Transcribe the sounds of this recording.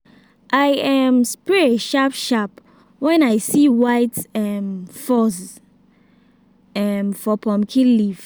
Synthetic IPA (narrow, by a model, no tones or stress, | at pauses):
ʔajɛ̃mspɹɛʃapʃap | wɛ̃najsiwaɪtɛmfɔs | ɛmfɔpʰɔ̃mkʰĩnlif